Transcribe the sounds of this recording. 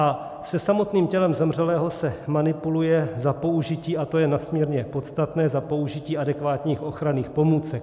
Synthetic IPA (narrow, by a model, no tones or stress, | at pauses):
ʔa | sɛsamo̞t̪niːmcɛlɛmzɛmr̝ɛlɛːɦo̞sɛmanɪpulujɛzapo̞uʒɪciːʔat̪o̞jɛnasmɲiːɾɲɛpo̞t̪st̪at̪nɛːzapo̞uʒɪciːʔadɛkvaːt̪ɲiːxʔo̞xɾaniːxpo̞muːt͡sɛk̚